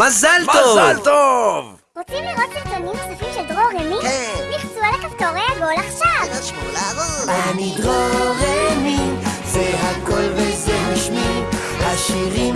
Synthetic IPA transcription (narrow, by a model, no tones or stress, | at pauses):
mazalmt̪aozvalt̪ov | ʁot͡simliʁot̪siχt̪onimsufimʃeld̪ʁoʁeminiχsualakaft̪oʁejaɡolaχʃavʃulaaniɡʁoʁemizeɦakolvezeaʃmim | haʃiʁim